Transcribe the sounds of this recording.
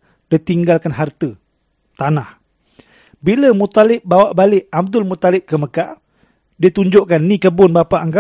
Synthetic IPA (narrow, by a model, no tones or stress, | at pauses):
dit̪iŋɡalkanɦart̪ə | t̪anah | biləmut̪alɪp̚bawaʔbalɪʔab̚d̪ʊlmut̪alɪp̚kəməkaʔ | diət̪uɲd͡ʒʊʔkanːĩkəbʊnbapaʔaŋɡa